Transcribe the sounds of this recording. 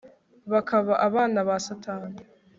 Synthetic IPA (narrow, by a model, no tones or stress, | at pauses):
βakʰaβaʔaβaːnaβasatʰaːni